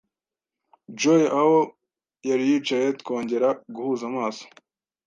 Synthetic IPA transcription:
d͡ʒojʔaho̞ | jaɾijiːt͡ʃaje̞t̪kʰo̞ːɲɟe̞ɾaɡuhuːzamaːso̥

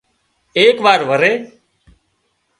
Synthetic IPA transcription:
eːkʋaːɾʋəɾeː

